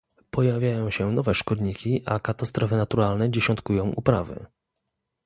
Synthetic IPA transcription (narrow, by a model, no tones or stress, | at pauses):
pɔjavʲjajɔ̃w̃ɕɛnɔvɛʂkɔd̪ɲikʲiʔakat̪ast̪ɾɔfɘnat̪uɾalnɛd͡ʑɛɕɔnt̪kujɔ̃w̃ʔupɾavɘ̰